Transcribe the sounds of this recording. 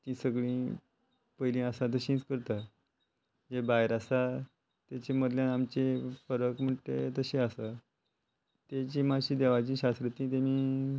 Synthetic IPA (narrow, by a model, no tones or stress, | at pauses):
t̪ĩːsəɡɭĩː | pəilĩasat̪̬əɕĩt͡skəɾt̪a | d͡ʑebajeɾasa | t̪at͡ɕeməd̪ljãnamt͡ɕefəɾəkm̤əʈ̪et̪əɕeasa | t̪et͡ɕĩːmaɕiːd̪eʋat͡ɕĩːɕast̪ɾət̪ĩːt̪̬emiː